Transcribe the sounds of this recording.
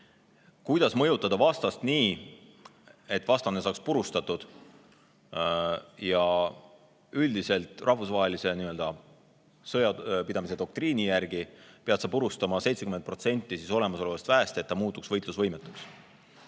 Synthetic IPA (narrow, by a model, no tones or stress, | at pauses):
kujd̪̥ɑsmɤ̞jut̪ːˑɑd̪̥ɑvɑst̪ɑst̪niː | e̞t̪ːˑvɑst̪ɑne̞sɑːkspuɾust̪ɑt̪ːˑud̪̥ | jɑ | yld̪ise̞lt̪ˑrʔɑhvusvɑɦe̞lise̞niø̞ld̪̥ɑ | sɤjɑpid̪̥ɑmis̬e̞d̪̥o̞k̚t̪ɾiːnʲijærɡ̥ipeɑt̪sɑpuɾust̪ɑmɑse̞jt̪se̞kyment̪̚pro̞t̪se̞nʲt̪ːˑisiso̞le̞mɑso̞levɑst̪væest̪e̞t̪ːɑmuːt̪ːˑuksvɤ̞jt̪ˑlusvɤjmet̪ːˑuks